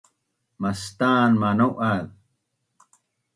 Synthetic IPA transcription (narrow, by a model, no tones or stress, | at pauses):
mɐst̪aːnmanɐwʔaːð